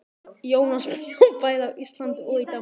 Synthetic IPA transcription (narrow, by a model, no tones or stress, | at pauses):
jownasppajðawʔist̪lant̪ɔðit̪a